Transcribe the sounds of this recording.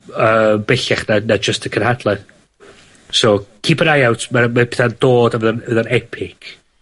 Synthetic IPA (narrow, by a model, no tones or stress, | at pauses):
əːmbɛɬɛχnanad͡ʒəstʰəkʰənhadlˠɛn | sokʰiːbəɾajawtʰmamabeθand̥oːdavəðənəðanɛpʰɪkʰ